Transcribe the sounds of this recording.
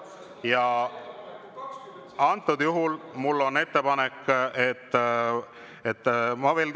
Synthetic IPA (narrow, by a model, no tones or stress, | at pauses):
jɑ | ɑnt̪ːˑud̪̥juɦulmulːo̞nːe̞t̪ːe̞pɑnekːet̪ː | et̪ːmɑve̞ːl